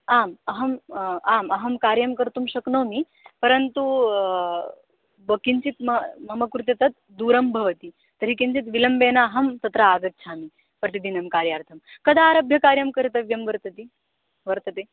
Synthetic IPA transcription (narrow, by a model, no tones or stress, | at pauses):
aːmɐɦɐmaːmɐɦɐmkaːɾjɐmkɐɾt̪umɕɐknoːmi | pɐɾɐnt̪u | bɐkint͡ʃit̪mɐmɐmɐkɾut̪jɐt̪ɐt̪̚ | d̪uːɾɐmbʱɐʋɐt̪i | t̪ɐɾikint͡ʃit̪ʋilɐmbeːnaɦɐmt̪ɐt̪ɾaaːɡɐt̪̚t͡ʃʰaːmi | pɾɐt̪id̪inɐmkaːɾjaːɾt̪ʰɐmkɐd̪aːɾɐbʱjɐkaːɾjɐmkɐɾit̪ɐʋjɐmʋɐɾt̪ɐt̪i | ʋɐɾt̪ɐt̪i